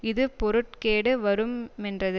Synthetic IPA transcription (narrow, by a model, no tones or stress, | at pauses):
ɪðɯpɔɾɯʈ̚keːɽɯʋɐɾɯmɛndrɐðɯ